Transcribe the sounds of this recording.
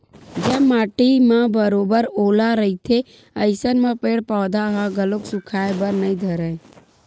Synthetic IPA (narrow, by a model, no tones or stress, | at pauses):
d͡ʒəbmaːʈimãbəɾoːbəɾoːlaɾəit̪ʰe | əɪsənmãpeːɽpaːd̪aɦãɡəloksʊkʰaːebəɾnəĩd̪ʱəɾẽː